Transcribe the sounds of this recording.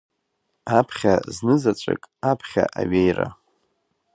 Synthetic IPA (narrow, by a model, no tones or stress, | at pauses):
apʰχʲaznɨzat͡ʃʷʼḛkʼapʰχʲa̰ʔaɥejra